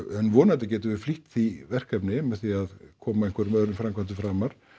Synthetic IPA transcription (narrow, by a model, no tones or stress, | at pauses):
hʏnːvɔːnat̪ɪcɛːt̪ʏvɪ̥fliht̪θivɛr̥kapnɪmɛðθiaðkʰɔːmaɛŋ̥kvaɾmœðɾʏnfɾamkʰvant̪ɪfɾamaɾ̥